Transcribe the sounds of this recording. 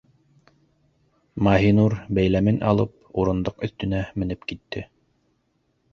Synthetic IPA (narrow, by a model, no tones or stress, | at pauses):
mɑɦinuɾbæjlæmɘnʔɑ̰lˠɤp̚uɾɤ̆nd̪oqɵ̆θt̪ɵ̆næmɘ̆nɘpkit̪ːɘ